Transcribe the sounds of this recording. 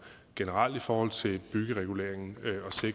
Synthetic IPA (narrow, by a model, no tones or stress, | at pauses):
ɡ̥e̝nəʁɑ̈l̰d̥ifɒːhɒ̽l̰t͡sʰe̝lb̥yɡ̥əʁɛɡ̥ule̝̰ːɐe̝ŋn̩ɒ̽se̝ɡ̥